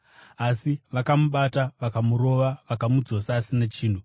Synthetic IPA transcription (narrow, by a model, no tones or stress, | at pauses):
asiʋakamuɓataʋakamuro̞ʋaʋakamud͡zo̞saːsinat͡ʃiːn̤u